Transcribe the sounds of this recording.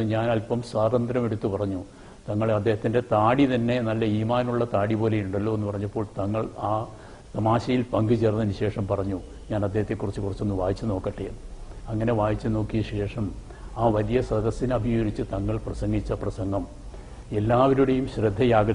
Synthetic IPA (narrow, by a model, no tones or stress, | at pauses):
ɨɲaːnɐlpɐmswaːd̪ɐnd̪ɾɐmeɽut̪ːupɐrɐɲːu | t̪ɐŋːɐɭɐd̪ːe̞ːɦɐt̪ːinde̞t̪aːɽit̪ɐnːe̞nɐlːɐiːmaːnmuɭːɐt̪aːɽipo̞ːlejuɳɖɐlːo̞ːe̞nːupɐrɐɲːɐpːoːɭt̪ɐŋːɐɭaː | t̪ɐmaːɕɐjilpɐŋɡɨt͡ɕernːɐniɕe̞ːʂɐmpɐrɐɲːu | ɲaːnɐd̪ːeɦɐt̪ːekːurit͡ɕːɨkurit͡ɕːonːuʋaːjit͡ɕːɨno̞ːkːɐʈːeɐŋːɐne̞ʋaːjit͡ɕːɨno̞ːkːijɐɕe̞ːʂɐm | aːʋɐlijɐsrɐd̪ɐsinɐbʱijoːɾit͡ɕːɨt̪ɐŋːɐɭprɐsɐŋɡit͡ɕːɐprɐsɐŋɡɐm | e̞lːaːʋɐɾuɽejumɕrɨd̪ʱːɐjaːɡɐ